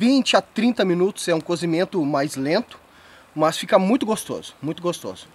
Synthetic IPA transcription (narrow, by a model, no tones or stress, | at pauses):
vĩt͡ʃɪat̪ɾĩnt̪ɐmĩnut̪ʊ̥zɛũkozimẽnt̪ʊmajzlẽnt̪ʊ̥ | mɐsfikɐmũj̃t̪ʊɡost̪o̰zʊ̥mũj̃t̪ʊɡost̪o̰zʊ